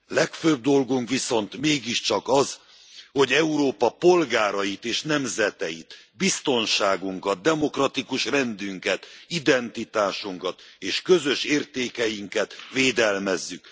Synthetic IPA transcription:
lɛkføb̚d̪o̞lɡuŋkʋiso̞nt̪meːɡiʃt͡ʃɒkɒz | ho̞ɟɛuɾoːpɒpo̞lɡaːɾɒjit̪eːʃnɛmzɛt̪ɛjit̪bist̪o̞nʃaːɡuŋkɒt̪̚d̪ɛmo̞krɒt̪ikuʃrɛnd̪yŋkɛt̪id̪ɛnt̪it̪aːʃuŋkɒt̪eːʃkø̞zø̞ʃeːrt̪eːkɛjiŋkɛt̪veːd̪ɛlmɛzːyk

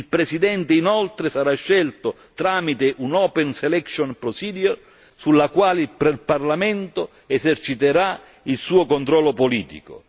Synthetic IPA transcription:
ilpɾɛsid̪ɛnt̪einɔlt̪ɾesaɾaʃːɛlt̪o | t̪ɾaːmit̪eʔunɔːpɛnsɛlɛksonpɾosiːd̪jor | sulːakwaːlɪillparlamɛnt̪o | ɛsert͡ʃit̪eɾa | ilsuːokont̪ɾɔlːopoliːt̪ḭko̰

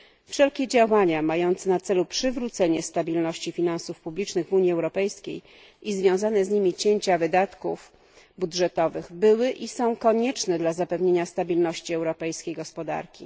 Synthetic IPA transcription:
fʂɛlkʲɛd͡ʑawaɲamajɔnt̪sɛnat̪sɛlupʂɘvɾut̪sɛɲɛst̪abʲilnɔɕt͡ɕifʲinansufpublʲit͡ʂnɘɣvuɲiɛwɾɔpɛjskʲḛj | ʔizvʲjɔ̃w̃zanɛzɲimʲit͡ɕeɲt͡ɕavɘd̪at̪kuf | budʐɛt̪ɔvɘɣbɘwɘʔisɔ̃w̃kɔɲɛt͡ʂnɛd̪lazapɛvɲeɲast̪abʲilnɔɕt͡ɕiɛwɾɔpɛjskʲejɡɔspɔd̪a̰ɾkʲḭ

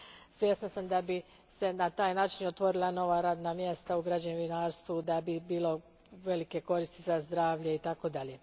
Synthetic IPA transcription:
sʋje̞snasamd̪abi | se̞nat̪aːjnaːt͡ʃinot̪ʋo̞ɾilˠano̞ʋaɾaːd̪namje̞st̪auɡɾad͡ʑanuʋinaːɾst̪ʋud̪abibiːlo̞ | ʋe̞like̞ko̞ɾist̪izazd̪ɾaːʋʎeit̪ako̞d̪ale̞

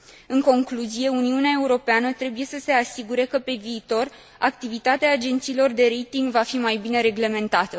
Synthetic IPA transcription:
ɨŋko̞ŋkluzije̞uniuneae̞uɾo̞peanət̪ɾe̞buje̞səse̞asiɡuɾe̞kəpe̞viːt̪o̞r | a̰k̚t̪ivit̪at̪eaːd͡ʒe̞nt̪siːlo̞rd̪e̞ɾejt̪iŋɡvafimajbine̞ɾe̞ɡle̞me̞nt̪at̪ə

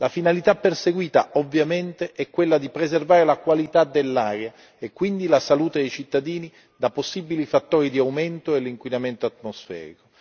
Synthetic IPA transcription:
lafinalit̪apːerseɡwiːt̪aɔvːjament̪eʔɛkːwelːad̪ipɾezervaːɾelakwalit̪ad̪elːaːɾja | ekːwind̪ilasaluːt̪ed̪ejt͡ʃit̪ːad̪iːni | d̪aposːibilifat̪ːoːɾid̪iawment̪oelːiŋkwinament̪oat̪ːmosfɛ̰ːɾḭko

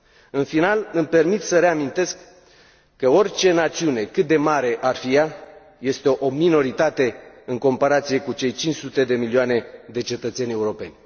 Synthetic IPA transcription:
ɨnfinalɨmpe̞rmit̪səɾe̞amint̪e̞skː | əo̞rʲt͡ʃe̞nat̪siune̞kɨt̪̚d̪e̞maɾe̞ʔarfija | je̞st̪e̞ʔomino̞ɾit̪at̪e̞ | ɨŋko̞mpaɾat̪sije̞kut͡ʃe̞jt͡ʃint͡ʃsut̪e̞d̪e̞milioane̞d̪e̞t͡ʃe̞t̪ət̪se̞nʲe̞uɾo̞pe̞̰nʲ

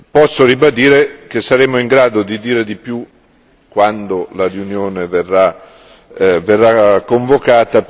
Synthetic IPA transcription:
pɔsːoɾibad̪iːɾek̟esːaɾeːmoiŋɡɾaːd̪od̪id̪iːɾed̪ipju | kːwand̪olarjunjoːneverːa | verːakːoɱvokaːt̪a

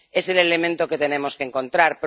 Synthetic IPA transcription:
e̞se̞le̞lemẽnt̪oke̞t̪e̞nẽ̞mo̞skeŋko̞nt̪ɾaɾp

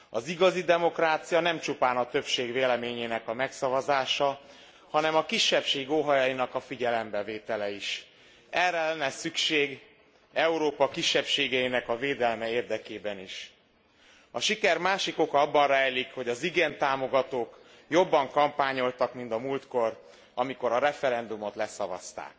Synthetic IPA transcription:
ɒziɡɒzid̪ɛmo̞kraːt̪sijɒnɛmt͡ʃupaːnɒt̪øpʃeːɡveːlɛmeːɲeːnɛkɒmɛksɒvɒzaːʃɒ | hɒnɛmɒkiʃːɛpʃeːɡoɦɒjɒjinɒkɒfiɟɛlɛmbɛveːt̪ɛlɛiʃ | ɛrɛlɛnːɛsykʃeːɡ | ɛuɾoːpɒkiʃːɛpʃeːɡɛinɛkɒveːd̪ɛlmɛeːrd̪ɛkeːbɛniʃ | ɒʃikɛrmaːʃiko̞kɒɒbːɒnraːjlikho̞ɟɒziɡent̪aːmo̞ɡɒt̪oːk | jo̞bːɒŋkɒmpaːɲo̞lt̪ɒkmind̪ɒmult̪ko̞r | ɒmiko̞ɾɒɾɛfɛɾɛnd̪umo̞t̪lɛsɒvɒ̰st̪a̰ːk

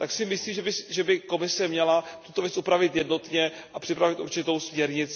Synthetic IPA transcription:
t̪aksɪmɪsliːmʒɛbɪsʒɛbɪko̞mɪsɛmɲɛlat̪u̥t̪ovjɛt͡sʔupɾavɪt̪jɛdno̞t̪ɲɛ | ʔapr̥ɪpɾavɪt̪ṵɾt͡ʃɪt̪o̞wsmɲɛɾɲɪt͡s

